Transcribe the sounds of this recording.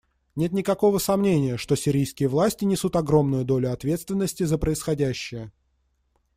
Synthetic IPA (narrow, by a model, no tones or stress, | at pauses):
nʲe̞t̪̬nʲɪkɐko̞vəsɐmnʲenʲɪjəʂt̪o̞sʲɪɾʲijskʲɪjəvlˠasʲtʲɪnʲɪsut̪ɐɡɾo̞mnʊjʊd̪o̞lʲʊɐt̪vʲe̞t̪st̪vʲɪnːəsʲtʲɪzəpɾəɪsxɐdʲæɕːɪjə